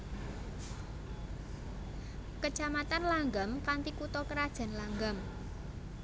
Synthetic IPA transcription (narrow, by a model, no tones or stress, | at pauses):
kət͡ʃamat̪anlaŋɡamkant̪ikut̪ɔkəɾad̥ʒ̥a̤nlaŋɡam